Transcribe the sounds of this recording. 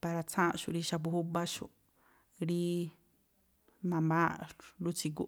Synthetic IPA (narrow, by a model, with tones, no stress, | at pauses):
pa˧ɾa˧t͡sʰã˦ʃṵ˧˨ɾi˧ʃa˧pu˧hu˦ba˦ʃu˧ | ɾi˦ | nã˧mbã˦lu˦t͡si˧ku˧